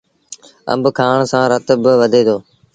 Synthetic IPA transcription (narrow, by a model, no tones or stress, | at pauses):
ə̰mbkʰaːɳsãːɾət̪bɪʋəd̪ʱeːd̪oː